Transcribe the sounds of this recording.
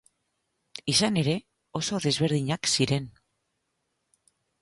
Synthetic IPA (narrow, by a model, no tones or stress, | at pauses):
isane̞ɾe̞ | o̞so̞ðe̞zβe̞ɾð̞iɲaksiɾe̞n